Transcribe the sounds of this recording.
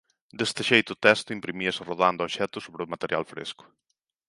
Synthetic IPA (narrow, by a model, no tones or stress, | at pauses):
d̪est̪eʃejt̪ʊt̪ɛst̪ʊimpɾimiɐsɪroðand̪ʊɔʃɛt̪ʊsoβɾɪʊmat̪eɾja̰lfɾḛskʊ̥